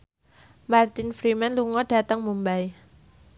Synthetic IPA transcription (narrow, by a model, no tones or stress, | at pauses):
mart̪infɾimanluŋɔɖ̥a̤t̪əŋmumbaj